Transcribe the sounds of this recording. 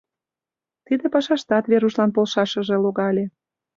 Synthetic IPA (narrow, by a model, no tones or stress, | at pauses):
t̪id̪epɑʃɑʃt̪ɑt̪βeɾuʃlɑnpolʃɑʃə̆ʒeloɣɑlʲe